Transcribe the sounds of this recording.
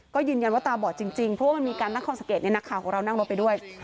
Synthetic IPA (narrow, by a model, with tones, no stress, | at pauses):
kɔː˥˩jɯː˧nja˧nwaː˥˩t̪aː˧bɔː˨˩t̪̚t͡ɕi˧ŋt͡ɕi˧ŋpʰɾɔ˦waː˥˩m˧nmiː˧kaː˧nt̪aː˥˩ŋkʰɔ˥˩sa˧˦ŋkeː˨˩t̪̚n˧na˦˥kʰaː˨˩wkʰɔː˨˦ŋɾa˧wna˥˩ŋɾo˦˥t̪̚pa˧jdu˥˩əj